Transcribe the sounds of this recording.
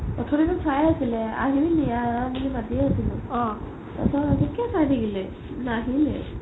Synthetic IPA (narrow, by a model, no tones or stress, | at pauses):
ɔtʰɔɾitʊsajasilɛa̰ɦiɹinijabilibadiɛasilʊ̃ɔ̃ | ta̰sɔzikɛsajdiɡilɛ | naɦilɛ̰